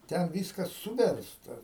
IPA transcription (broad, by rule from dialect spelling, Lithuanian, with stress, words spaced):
ˈtʲɛn ˈʋʲiːskɐs ˈsuːʋʲɛrstɐ